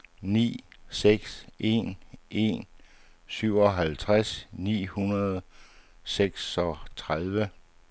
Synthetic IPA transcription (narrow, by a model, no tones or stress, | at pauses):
nḭːseɡ̥sʔe̝nʔe̝̰n | syʊ̰ɒ̽ɦælt͡sʰʁasnḭːhunɐð̞ˠ | seɡ̥sɒ̽t͡sʰʁaðˠʋə